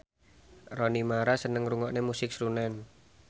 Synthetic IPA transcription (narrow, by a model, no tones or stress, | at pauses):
rɔnimaɾasənəŋɾuŋɔʔnemusɪk̚sɾunɛn